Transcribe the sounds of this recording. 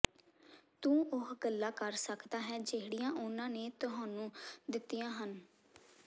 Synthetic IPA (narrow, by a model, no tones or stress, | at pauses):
t̪ũːʊɦɡəlːaːkəɾsəkd̪aːɦɛːd͡ʒeɦɽijãːʔʊnãːneːt̪ʊɦãːnũːd̪ɪt̪ːijãːɦən